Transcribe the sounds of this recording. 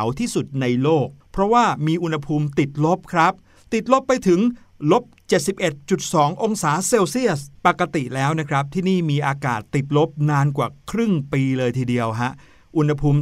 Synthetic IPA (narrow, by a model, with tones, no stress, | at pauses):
wt̪ʰiː˥˩su˨˩t̪̚na˧jloː˥˩k̚pʰɾɔ˦˥waː˥˩miː˧ʔu˧nha˧pʰuː˧mt̪i˨˩t̪̚lo˦˥p̚kʰɾa˦˥p̚ | t̪i˨˩t̪̚lo˦˥pːa˧jt̪ʰɯ˩˦ŋ | lo˦˥p̚t͡ɕe˨˩t̪̚si˨˩p̚ʔe˨˩t̪̚t͡ɕu˨˩t̪̚sɔː˩˦ŋʔo˧ŋsaː˩˦seː˧wsi˥˩əspa˨˩kːa˧t̪i˨˩lɛː˦˥wna˦˥kʰɾa˦˥p̚t̪ʰiː˥˩niː˥˩miː˧ʔaː˧kaː˨˩t̪ːi˨˩t̪̚lo˦˥p̚naː˧nkwaː˨˩kʰɾɯ˥˩ŋpiː˧lɤː˧jt̪ʰiː˧˩di˧əwɦa˦˥ʔ | ʔu˧nha˧pʰuː˧m